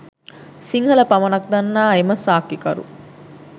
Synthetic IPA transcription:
siŋhɐlɐpɐmɐnɐk̚d̪ɐnːaːemɐsaːkikɐɾṵ

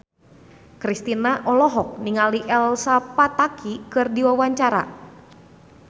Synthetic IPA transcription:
kɾist̪inaʔɔlɔɦɔk̚niŋaliʔɛlsapat̪akʰikɨrdiwawaɲt͡ʃaɾa̰

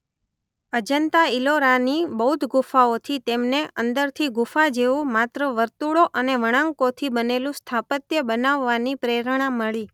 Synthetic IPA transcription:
əd͡ʒənt̪ailoɾanibəɦud̪ʱɡufaot̪ʰit̪emneənd̪əɾt̪ʰiɡufad͡ʒeʋũmat̪ɾəʋəɾt̪uɭoʔəneʋəɽ̃ãŋkot̪ʰibənelũst̪ʰapət̪jəbənaʋːanipɾeɾɽ̃aməɭi

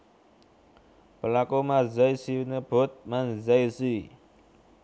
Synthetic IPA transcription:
pəlakomazəjsinəb̥ot̪̚manzəjsi

